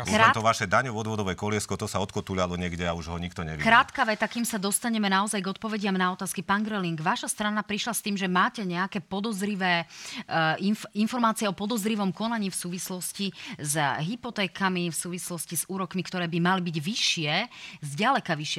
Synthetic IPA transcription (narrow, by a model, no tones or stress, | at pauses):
at̪ɔʋaʃɛd̪aɲɔʋɔd̪ʋɔd̪ɔʋɛkɔlɪɛskɔt̪ɔsaɔt̪kɔt̪uʎalɔɲɪɛɡɟɛauʒɦɔɲikt̪ɔɲɛʋikɾaːt̪kaʋɛt̪akiːmsad̪ɔst̪aɲɛmɛnaɔzajɡɔt̪̚pɔʋɛɟɪamnaɔt̪aːskipaːnɡɾɛliŋɡʋaʃast̪ɾanapɾiʃlast̪iːmʒɛmaːcɛɲɛakɛːpɔd̪ɔzɾiʋɛː | iinfɔɾmaːt͡siɛɔpɔd̪ɔzɾiʋɔmkɔnaɲiːfsuːʋislɔscizɦipɔt̪ɛːkamifsuːʋislɔscizuːɾɔkmikt̪ɔɾɛːbimalibiɟʋiʃɪɛzɟalɛkaʋiʃɪɛ